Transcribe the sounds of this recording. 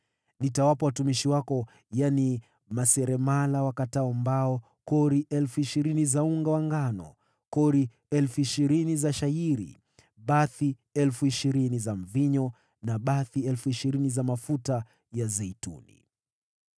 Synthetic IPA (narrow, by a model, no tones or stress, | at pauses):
nitawapawatumiʃiwakɔ | jani | masɛɾɛmalawakataɔmbaɔ | kɔɾiʔɛlfuiʃiɾinizauŋɡawaŋɡanɔ̰ | kɔɾi | ɛlfuiʃiɾinizaʃaiɾḭ | ɓaθi | ɛlfuiʃiɾinizam̩viɲɔ | naɓaθiɛlfuiʃiɾinizamafuta | jazɛitṵnḭ